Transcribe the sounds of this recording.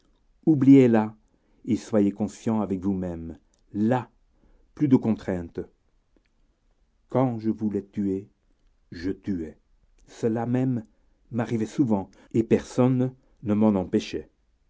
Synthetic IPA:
ubliela | eswajekɔ̃sjɑ̃avɛkvumɛm | la | plyd̪əkɔ̃t̪χɛ̃t̪ | kɑ̃ʒəvulɛt̪ye | ʒət̪yɛ | səlamɛmː | aʁivɛsuvɑ̃ | epɛʁsɔnː | əmɑ̃nɑ̃peʃɛ

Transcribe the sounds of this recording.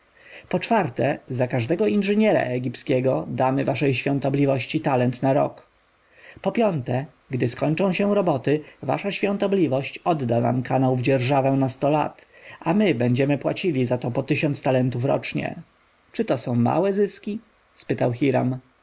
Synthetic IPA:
pɔt͡ʂfaɾt̪ɛzakaʐd̪ɛɡɔinʐɘɲɛɾa̰ʔɛɡʲipskʲɛɡɔd̪amɘvaʂɛjɕfʲjɔ̃nt̪ɔblʲivɔɕt͡ɕit̪alɛnt̪naɾɔ̰k | pɔpʲjɔnt̪ɛ | ɡd̪ɘskɔɲt͡ʂɔ̃w̃ɕɛw̃ɾɔbɔt̪ɘva̰ʂaɕfʲjɔ̃nt̪ɔblʲivɔɕt͡ɕɔd̪ːana̰mkanawvd͡ʑɛɾʐavɛnast̪ɔla̰t̪ | ʔamɘbɛɲd͡ʑɛmɘpwa̰t͡ɕilʲizat̪ɔpɔt̪ɘɕɔnt̪st̪alɛnt̪ufɾɔ̰t͡ʂɲɛ̰ | t͡ʂɘt̪ɔsɔ̃w̃ma̰wɛzɘskʲi | spɘt̪awxʲiɾa̰m

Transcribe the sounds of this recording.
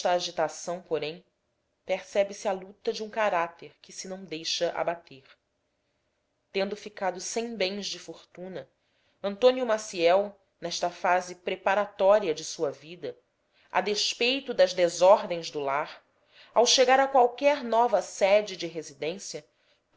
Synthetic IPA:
t̪ɐːʒit̪asɐ̃w̃poɾẽj̃ | peɾsɛbɪsɪalut̪ɐd͡ʒɪũkaɾat̪eɾkɪsɪnɐ̃w̃d̪ejʃɐʔa̰bat̪eɾ | t̪ẽnd̪ʊfikad̪ʊsẽj̃bẽj̃zd͡ʒɪfoɾt̪ũnɐ | ɐ̃nt̪õnjiumasiɛw | nɛʃt̪ɐfazɪpɾepaɾat̪ɔɾiɐd͡ʒɪsuɐvid̪ɐ | a̰d̪eʃpejt̪ʊd̪ɐzd̪ezɔɾd̪ẽj̃zd̪ʊlaɾ | awʃeɡaɾɐkwawkɛɾnɔvɐsɛd͡ʒɪd͡ʒɪɦezid̪ẽsiɐ | p

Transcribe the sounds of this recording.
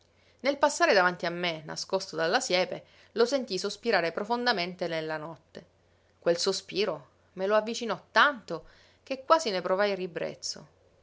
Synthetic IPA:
nelpasːaːɾed̪avant̪iamːena̰skost̪od̪alːasjɛːpe | losent̪isospiɾaːɾepɾofond̪ament̪enelːanɔt̪ːe | kwelsospiːɾo | meloavːit͡ʃinɔt̪ːant̪o | k̟ekːwaːzinepɾovajribɾḛt̪sːo̰

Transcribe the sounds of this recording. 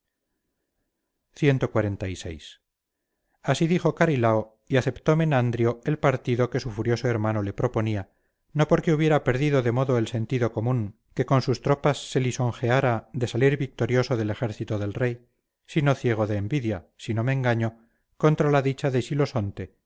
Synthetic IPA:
θje̞nt̪o̞kwaɾe̞nt̪aise̞̰js | asiðixo̞kaɾilao | iaθe̞pt̪o̞menand̪ɾjoelpaɾt̪iðo̞ke̞sufuɾjo̞soe̞ɾmano̞le̞pɾo̞po̞nia | no̞po̞ɾkeuβje̞ɾape̞ɾðiðo̞ðe̞mo̞ðoelse̞nt̪iðo̞ko̞mũŋ | ke̞ko̞nsust̪ɾo̞pasːe̞liso̞ŋxeaɾad̪e̞saliɾβik̚t̪o̞ɾjo̞so̞ðe̞le̞xe̞ɾθit̪oðe̞lre̞j | sino̞θje̞ɣ̞o̞ðe̞ːmbiðjasino̞meːŋɡaɲo | ko̞nt̪ɾalaðit͡ʃaðe̞ʃilo̞so̞nt̪e̞

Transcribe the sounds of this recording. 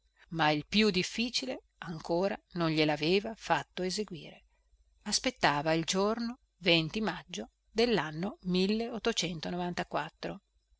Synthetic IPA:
mailpjud̪ifːiːt͡ʃile | aŋkoːɾanonʎelaveːvafat̪ːoezeɡwḭːɾe | aspet̪ːaːvaild͡ʒorno | vent̪imad͡ʒːo | d̪elːanːomilːeot̪ːot͡ʃɛnt̪onovant̪akwat̪ːɾo

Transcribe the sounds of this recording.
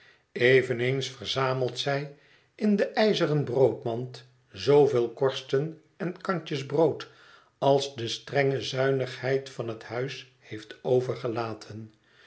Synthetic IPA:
ejvənensfərzaːməlˠtsɛj | ɪndəʔɛjzərənbrowtmɑnt | zowvɪːlˠkɔɹstən | ɛnkɑɲt͡ʃəzbrowt | ɑlˠzdəstrɛŋəzœɥnəχhɛjtfɑnɦəthœɥs | hejftowvəɹχəlaːtʰən

